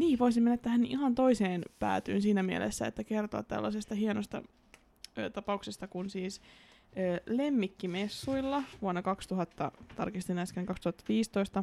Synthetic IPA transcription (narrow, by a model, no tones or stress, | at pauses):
niːʋoisimenːæt̪æhænihɑnt̪o̞iseːnpæ̰ːt̪y̰ːnsiːnæmiḛlʔḛsːæḛt̪ːækert̪o̰ɑ̰t̪t̪æ̰lːɑsest̪ɑhienost̪ɑ̰ | øːt̪ɑpɑuksest̪ɑkunsiːsøːlemːikːimesːuilːɑʋuonːɑkɑkst̪uɦɑt̪ːɑ̰t̪ɑ̰rkist̪inɑskeŋkɑkst̪uhɑt̪ːɑʋiːst̪oist̪ɑ